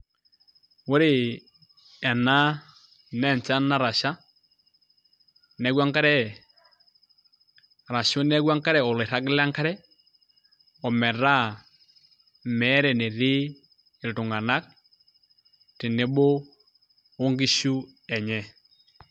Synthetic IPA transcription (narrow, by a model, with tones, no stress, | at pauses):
wo˦ɾe˨ | ɛ˨na˦ | nɛ˨ɲt͡ʃa˦na˦ɾa˨ʃa˦ | nɛ˨˦ɡwa˦ŋka˦ɾɛ˦˨ | ɾa˨ʃo˦nɛ˦ɣwa˦ŋka˦ɾɛ˨ɔ˨le˨ɾa˦kla˦ŋka˦ɾɛ˦ | ɔ˨mɛ˨ɾa˦ | mɛ˨˦ɾɛ˨ne˨ɾɪ˦ | ɪ˨ltʊ˨ŋa˨na˦k̚ | tɪ˨ne˦bo˦ | o˦ŋɡi˦ʃu˦ | ɛ˨ɲɛ˨